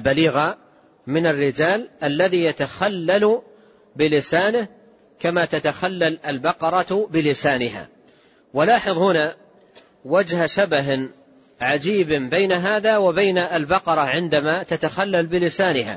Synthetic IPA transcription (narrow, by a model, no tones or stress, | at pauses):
lbaliːɣa | mɪnarːɪd͡ʒaːlʔalːaðiːjat̪axalːal | bɪlɪsaːnɪh | kamaːt̪at̪axalːalalbɑqɑɾˤɑbɪlɪsaːnɪɦa̰ː | walaːħɨðˤhʊnaː | wad͡ʒhʃabaɦ | ʕad͡ʒiːbbajnaɦaːðaːwabajnaʔːlbɑqɑɾˤɑʕɪnd̪amaːt̪at̪axalːalbɪlɪsaːnɪɦa̰